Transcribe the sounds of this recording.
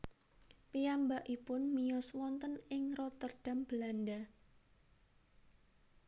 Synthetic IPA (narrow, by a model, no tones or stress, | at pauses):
piambaʔipʊnmijɔswɔnt̪ənɪŋrɔt̪ərd̥a̤mb̥əlanda